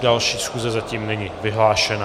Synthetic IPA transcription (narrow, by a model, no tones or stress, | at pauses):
dalʃiːsxuzɛzaciːmnɛɲivɪɦlaːʃɛna